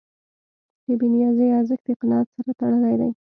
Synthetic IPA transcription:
d̪ebinijɑzejɑzəxd̪̥əɪqɪnɑt̪saɾat̪aɽəlajd̪aj

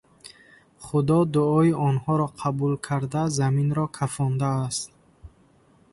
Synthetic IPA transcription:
χud̪ɔd̪uɔiɔnhɔɾɔqʰabulkʰaɾd̪azaminɾɔkʰafɔnd̪aːst̪̚

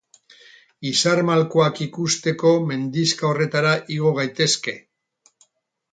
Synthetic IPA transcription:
isaɾmalkoakikust̪e̞ko̞me̞nd̪iskao̞re̞t̪aɾaʔiɣo̞ɣ̞ajt̪e̞ske̞

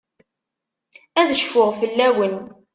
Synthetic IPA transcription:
æðəʃfʊʁfəlːæwən

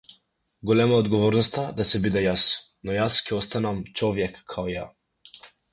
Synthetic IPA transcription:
ɡɔlɛmaɔd̪ɡɔvɔɾnɔst̪ad̪asɛbid̪ɛjasnɔjascɛɔst̪anamt͡ʃɔvjɛkːʰaɔja

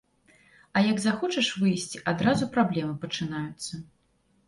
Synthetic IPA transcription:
ɐjɐɡzaxɔt͡ʂɐʂvɨjsʲt͡sʲiʔad̪ɾazupɾablʲɛmɨpɐt͡ʂɨnajut̪sːɐ

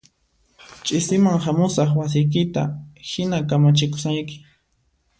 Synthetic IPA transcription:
t͡ʃʼɪsɪmaŋhamʊsɑχwas̬ɪjk̬ɪt̪a̰hɪnakamat͡ʃɪkʊ̥sajkɪ̥

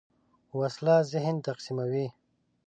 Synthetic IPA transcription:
waslazɪɦnt̪aqsimawi

